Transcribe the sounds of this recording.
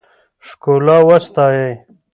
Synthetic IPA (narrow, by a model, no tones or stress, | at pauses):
ʂkolaːwɐst̪aːje